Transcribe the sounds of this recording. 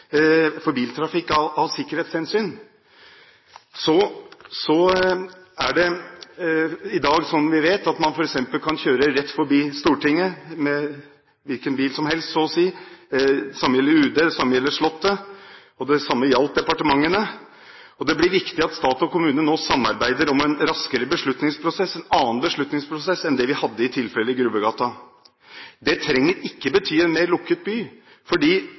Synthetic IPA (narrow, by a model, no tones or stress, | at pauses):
fɔɾbiːlt̪ʰɾɑfɪkːɑʋɑʋsɪkːəɾheːt̪shɛnsyːn | sɔsɔ | æɖɛ | ɪd̪ɑːɡsɔnʋɪʋeːt̪ɑt̪mɑnfɔɾɛksɛmpəlkʰɑnçøːɾəɾɛt̪ːfɔɾbiːst̪uːʈɪŋːəmɛ | ʋɪlkənbiːlsɔmɦɛlst̪sɔːɔsiː | ɛsɑmːəjɛlːəɾʉːd̪əd̪ɛsɑmːəjɛlːəʂɭɔt̪ːə | ɔd̪ɛsɑmːəjɑlt̪̚d̪ɛpɑʈəmɑŋːənə | ɔd̪ɛblɪʋɪkt̪ɪɑt̪st̪ɑːt̪ɔkʊmʉːnənoːsɑmːɑɾbæɪd̪əɾɔmɛnɾɑskəɾəbəʂɭʉt̪nɪŋspʰɾʊsɛsɛnɑːnbəʂɭʉt̪nɪŋspʰɾʊsɛsɛnd̪ɛʋɪhɑd̪ːəɪt̪ʰɪlfɛlːəɪɡɾʉbəɡɑːt̪ɑ | d̪ɛt̪ʰɾɛŋːəɾɪkːəbət̪ʰyːɛnmeɪɾɭʊkːət̪̚byː | fɔɖiː